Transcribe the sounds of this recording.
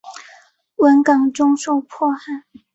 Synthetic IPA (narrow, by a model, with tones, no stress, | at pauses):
wə˧˥nkɑ˨˩ŋʈ͡ʂʊ˥ŋʂo˥˧ʊpʰwɔ˥˧xa˥˩ɪ